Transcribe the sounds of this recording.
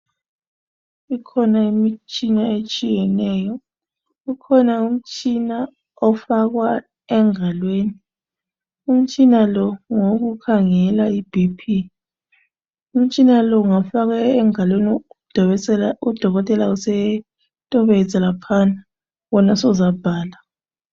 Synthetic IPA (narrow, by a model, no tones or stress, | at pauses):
ikʰɔnaimit͡ʃʼinaet͡ʃʼijɛnɛːjɔ | ukʰɔnaum̩t͡ʃʼina | ɔfaɣwa | ɛŋalweːni | um̩t͡ʃʼinalɔŋoɣukʰaŋɛlaib̥ʱipʰi | um̩t͡ʃʼinalɔuŋafaɣaɛŋalwenid̥ | ud̥ʱɔɣɔtʼɛlausɛ | tʼɔβɛzʱalapʰana | wɔnasɔzab̥ʱaːla